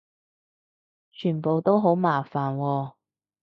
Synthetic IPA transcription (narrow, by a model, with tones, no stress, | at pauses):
t͡ʃʰyː˨˩npo˨wt̪o˥wɦo˨˥wmaː˨˩faː˨˩nwɔː˧